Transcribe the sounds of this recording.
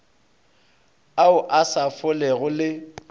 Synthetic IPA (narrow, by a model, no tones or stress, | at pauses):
aʊʔasafʊlɛɣʊlɪ